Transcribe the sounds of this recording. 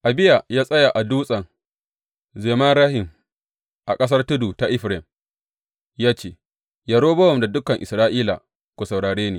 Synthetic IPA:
ʔa˨bɪ˦ja˨jaː˦sʼɐ˦ja˨ʔa˨duː˦sʼɐ˨ŋ | zeː˨ma˦nɾaː˦hɪ˨m | ʔa˨kʼɐ˦s̬ɐ˦rtʊ˦duː˨ta˨ʔɪ˦ɸɾɛ˨m | jaː˦t͡ʃeː˦˨ | ja˨ɽoː˦bɐ˦wɔ˨mda˨dʊ˦kɐ˨ŋʔɪ̰˨sɾaː˦ʔiː˦la̰˨ | kʷo˨sɐ˨wɽaː˨ɽeː˦niː˨

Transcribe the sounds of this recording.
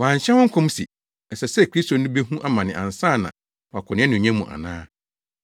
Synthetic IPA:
wã˨ɲ˨ɕɛ̃˦wʊ̃˦ŋ̩˦kʰɔ̃˦m˦si˨ | ɛ˨sɛ˨sɛ˦˨kʰɾi˦sto˨nũ˦be˦ɦũ˦ʔa˦mã˨nɪ̃˨ʔã̰˨n˨sãː˦˨nã̰˨ | wɔ˨a˨kʰʊ˨nɪ̃˦ɛ˦nʊ̃˨ɲɛ̃˦mũ˨ʔa̰˨nã̰ː˦

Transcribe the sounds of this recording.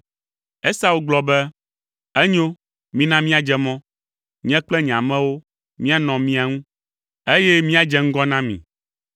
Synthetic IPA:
ɛ˦sa˦wo˦ɡ͡blɔ˨bɛ˦ | ɛ˦ɲo˦ | mĩ˦nã˦mĩ˦a˨d͡ʒɛ˨mɔ̃˦ | ɲ̃˦ɛ̃˦k͡plɛ˦ɲɛ̃˨ã˨mɛ̃˦wo˦ | mĩ˦a˦nɔ̃˨mĩ˦a˨ŋũ˦ | e˦jɛ˦mĩ˦a˨d͡ʒɛ˨ŋ̩˦ɡɔ˦nã˦mḭ̃˨

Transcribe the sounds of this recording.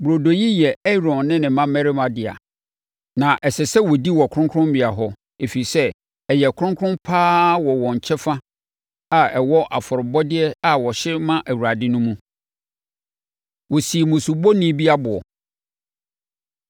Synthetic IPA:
bɾo˨do˨ji˦jɛ˨ɛ˦ɾɔ̃˨nːɪ̃˦nɪ̃˨mã˦mɛ˦ɾɪ˦mã˨dɪ˨a̰˨ | nã˨ʔɛ˨sɛ˨sɛ˦wɔ˨di˦wɔ˨kʰʊ̃˦ŋkʰɾʊ̃˦m˦bɪ˨a˨ɦɔ˦ | e˨fi˨i˨sɛ˦ | ɛ˨jɛ˨kʰʊ˦ɾʊ̃˦ŋkʰʊ̃˦mpʰaː˦wɔ˨wɔ̃˨ɲ̩˨t͡ɕʰɛ˦fa˦ | a˨ɛ˨wɔ˦ʔa˨fʊ˨ɾɪ˨bɔ˦dɪ˦ɛ˦a˦wɔ˨ɕɪ˦mã˦ʔæ˨wu˨ɾa˨dɪ˦nʊ̃˦mũ˦ | wɔ˨si˨mʊ̃˨su˨bɔ˦nĩ˦bi˦a˦bʊ˨ɔ˨

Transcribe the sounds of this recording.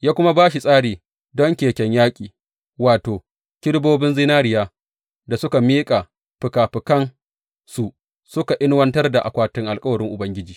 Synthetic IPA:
jaː˦kʷʊ˦ma˦baː˦ʃi˨sʼaː˦ɽiː˨ | dɔ˦ŋkʲeː˨kʲɛ˦ɲjaː˦kʲʼiː˨ | waː˨toː˨ | kʲɪ˦ɽboː˦bɪ˦nzɪ˦naː˦ɾɪ˨jaː˦ | da˨sʊ˦ka˨miː˦kʼa˨ | ɸɪ˨kaː˨ɸɪ˨kɐ˦n | su˨ | sʊ˦ka˨ʔɪ˦nwɐ˦ntɐ˦rda˨ʔa˨kʷaː˦tɪ˦ŋʔa˨lkʼɐ˦wɐ˨ɽɪ˦ŋʔʊ˨bɐ˦ŋɡʲɪ˦d͡ʒiː˨

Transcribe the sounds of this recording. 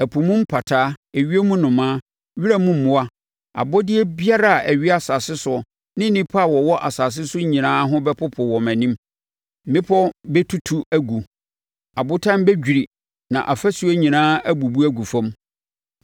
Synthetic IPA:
æ˨pʰu˨mũ˦m˦pʰa˨tʰaː˦e˨ɥi˦e˦mũ˦nʊ̃˨mãː˦ | ɥi˦ɾa˦mũ˦m̩˨mʊ̃˨a˦ | a̰˨bɔ˦dɪ˦ɛ˦bi˦a˦ɾa˨ʔæ˨ɥi˦a˦˨sa˨sɪ˦sʊ˨ɔ˨ | nɪ̃˦nĩ˦pʰa˦˨wɔ˨wɔ˦ʔa˨sa˨s̬ɪ˦sʊ˦ɲĩ˨nãː˦ɦʊ̃˦bɛ˦pʰʊ˦pʰʊ˨wɔ˨mæ̃˨nĩ˦m˦ | mɪ̃˦pʰɔ˦bɛ˦tʰu˦tʰu˦æ˦ɡu˨ | a˨bʊ˦tʰã˦m˦bɛ˦d͡ʑᶣi˨ɾi˨ | nã̰˨ʔa˨fæ˦su˨˦e˦ɲĩ˨nãː˦æ˦bu˨bu˦æ˦ɡu˨fɔ̃˦m

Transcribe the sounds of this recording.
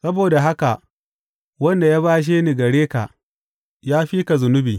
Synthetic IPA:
sɐ˦boː˨da˨ɦa˦ka˨ʔ | wɐ˦nda˨jaː˦baː˦ʃ̬eː˦ni˨ɡɐ˨ɽeː˦ka̰˨ʔ | jaː˦ɸiː˦ka˨zʊ˨nʊ˦biː˨

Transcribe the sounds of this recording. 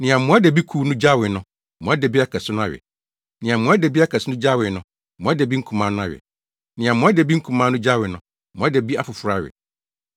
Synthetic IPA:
nɪ̃˨ã˨mʊ̃˨˦a˦de˨bi˦kʰu˨˦nʊ̃˦d͡ʑa˦wɪ˨nʊ̃˦˨ | mʊ̃˨˦a˦de˨bi˦a˦kʰɛ˨sʊ˦nʊ̃˦a˦ɥɛ̰˨ | nɪ̃˨ã˨mʊ̃˨˦a˦de˨bi˦a˦kʰɛ˨sʊ˦nʊ̃˦d͡ʑa˦wɪ˨nʊ̃˦˨ | mʊ̃˦a˦de˨bi˦ŋ̩˦kʰũ˨mã˨˦nʊ̃˦a˦ɥɛ̰˨ | nɪ̃˨ã˨mʊ̃˦a˦de˨bi˦ŋ̩˦kʰũ˨mãː˦nʊ̃˦d͡ʑa˦wɪ˨nʊ̃˦˨ | m̃˨˦a˦de˨bi˦a˦fʊ˨fʊ˦ɾa˦˨ɥɪ̰˨

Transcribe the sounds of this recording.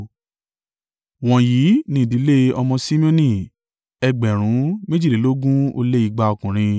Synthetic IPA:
w̃ɔ̃˨ji˨˦nĩ˧˦˨di˨˦le˦ɔ˧mɔ̃˧sĩ˦mĩ˦õ˦nĩ˦˨ | ɛ˧ɡ͡bɛ˨ɾ̃ũ˨˦me˦d͡ʒi˦˨le˨˦lo˦ɡũ˦o̰˧le˦i˨˧˨ɡ͡ba˧ɔ˧kũ˨ɾ̃ĩ˧

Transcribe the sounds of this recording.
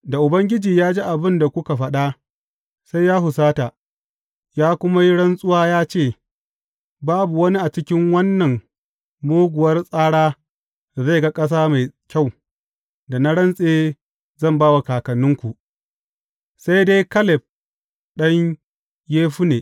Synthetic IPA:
da˨ʔʊ˨bɐ˦ŋɡʲɪ˦d͡ʒiː˨jaː˦d͡ʒiː˦ʔa˨bɪ˦nda˨kʷʊ˦ka˨ɸɐ˦ɗa˦ | sa˦jjaː˦hʊ˨saː˦ta˨ | jaː˦kʷʊ˦ma˦ji˦ɽɐ˦nsʼʊ˦waː˦jaː˦t͡ʃeː˦˨ | baː˦bu˨wɐ˦ni˦ʔa˨t͡ʃɪ˦kʲɪ˦ŋwɐ˦nːɐ˨ŋ | moː˦ɡʷʊ˨wɐ˦rsʼaː˦ɽaː˦ | da˨za˦˨jɡa˦kʼɐ˦s̬aː˦ma˨jkʲa˦˨w | da˨na˦ɽɐ˦nsʼeː˦ | zɐ˦˨mbaː˦wa˨kaː˨kɐ˨nʊ˦ŋkʷu˨ʔ | sa˦jde˦jkɐ˦lɪ˨b̚ | ɗɐ˦ɲ | jeː˦ɸu˦neː˨

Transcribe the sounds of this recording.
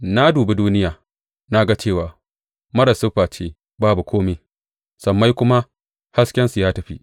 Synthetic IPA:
na˦duː˨be˦duː˦nɪ˦jaː˨ | na˦ɡa˦t͡ʃeː˦˨waː˨ | mɐ˦ɾɐ˨sʊ˦ɸaː˨t͡ʃeː˦ | baː˦bu˨kʷʰoː˦meː˨ | sɐ˨mːa˦jkʷʊ˦ma˦ | ha˦skʲɛ˦nsu˨jaː˦tɐ˨ɸḭ˦

